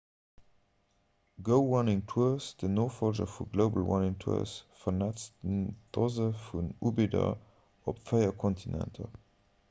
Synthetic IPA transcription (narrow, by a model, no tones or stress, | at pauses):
ɡoʊwanɪŋtʰusd̥ənoːfɔlʒə̰fuɡloʊbə̰lwa̰nɪŋtʰṵɐ̰sfənatsnd̥ɔzəfunubidə̰ | ɔpfeɪɐkʰɔntʰinɛ̰̃ntʰə̰